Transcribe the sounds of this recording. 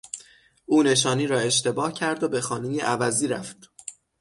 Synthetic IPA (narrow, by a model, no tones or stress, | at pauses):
ʔuːne̞ʃ̬ɒːniːɾɒːe̞ʃt̪e̞bɒːhcʰæɾd̪obe̞xɒːnejeʔævæziːɾæ̰ft̪